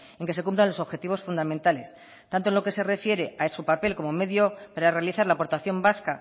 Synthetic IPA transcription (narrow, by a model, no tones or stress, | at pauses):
e̞ŋke̞se̞kumplanlo̞so̞βxe̞t̪iβo̞sfund̪amẽnt̪ales | t̪ant̪onlo̞ke̞se̞re̞fje̞ɾe̞aesupape̞lko̞mo̞me̞ðjo̞paɾare̞aliθaɾlapo̞ɾt̪aθjo̞mbaska